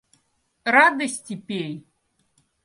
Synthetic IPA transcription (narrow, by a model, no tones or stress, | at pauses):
rad̪ɐsʲtʲipʲej